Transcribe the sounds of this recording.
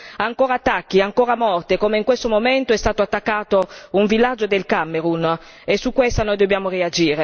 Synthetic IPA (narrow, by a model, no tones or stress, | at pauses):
aŋkoːɾat̪ːakːiaŋkoːɾamɔrt̪ekoːmeiŋkwest̪omomɛnt̪oɛst̪aːt̪oat̪ːakːaːt̪ouɱvilːad͡ʒːod̪elkamːeɾun | esːukːwest̪anɔjd̪objaːmoread͡ʒiːɾe